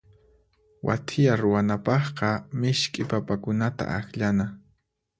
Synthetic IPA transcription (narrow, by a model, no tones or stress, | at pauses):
wʔa̰t̪ʰɪjaɾʊwanapɑχqɑmɪʃkʼɪpapakʊnat̪a̰axʎana